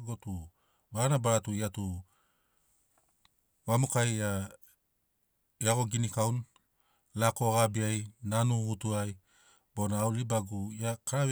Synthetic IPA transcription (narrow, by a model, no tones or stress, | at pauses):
ɡotu | βaanabaɾatuiatu | βamukaja | eaɡo̞ɡinikawn | lako̞ɡabiajnanuɡutuaj | bo̞naːwlibaɡujakaɾaβ